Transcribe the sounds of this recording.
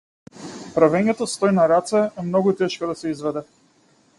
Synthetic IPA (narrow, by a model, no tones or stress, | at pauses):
pɾavɛɲɛt̪ost̪ɔjnaɾat̪sɛɛmnɔɡut̪ɛʃkod̪asɛizvɛd̪ɛ